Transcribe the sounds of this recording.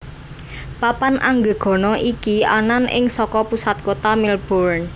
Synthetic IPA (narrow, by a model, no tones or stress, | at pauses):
papanʔaŋɡə̤ɡ̥ɔ̤nɔʔikiananɪ̰ŋsɔkɔpusat̪̚kot̪amilb̥oɾn